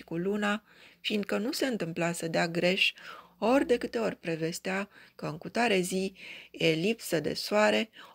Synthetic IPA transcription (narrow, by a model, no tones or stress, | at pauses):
i̥kuluna | find̪̚kənuse̞ɨnt̪ɨmplasəd̪eaɡɾe̞ʃ | o̞rʲd̪e̞kɨt̪e̞o̞rʲpɾe̞ve̞st̪eakəɨŋkut̪aɾezielipsəd̪e̞̰soaɾe̞